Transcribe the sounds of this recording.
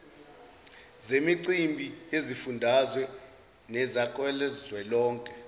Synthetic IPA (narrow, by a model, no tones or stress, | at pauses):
zemiǀimbʱiezifundʱazwɛ | nɛzakʼwɛlɛzwɛlɔːŋkʼɛ